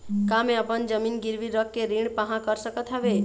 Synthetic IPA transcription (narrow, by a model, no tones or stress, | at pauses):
kameəpənd͡ʒəminɡiɾʋiɾəkːeɾiɳpəɦãkəɾsəkət̪ɦɛʋe